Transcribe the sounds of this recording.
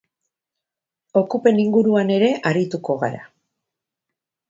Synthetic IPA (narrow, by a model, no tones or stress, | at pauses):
o̞kupe̞niŋɡuɾuane̞ɾe̞ʔaɾit̪uko̞ɣa̰ɾa̰